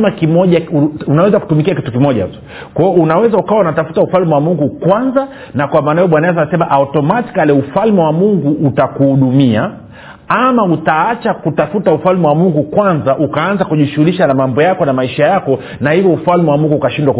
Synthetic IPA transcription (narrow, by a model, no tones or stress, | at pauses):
makimɔʄaunawɛzaku̥tumikiakitukimɔʄa̰tɔ̥ | kwaɔunawɛzaukawaunatafu̥taufalmɛwamuŋɡukwanza | nakwamaːnajɔɓwanaas̬anasɛmaʔautɔmati̥kalɛufalmɛwamuŋɡuʔːtakuhuɗumia | amautaat͡ʃakutafutaufalmɛwamuŋɡukwanzaʔukaanzakuʄiʃuhuliʃanamambɔjakɔnamaiʃajakɔ | nahivjɔufalmɛwamuŋɡuːkaʃindwak